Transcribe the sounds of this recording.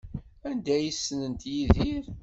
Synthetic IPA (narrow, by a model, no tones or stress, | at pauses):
ænd̪æjisːnənt̪jiðiɾ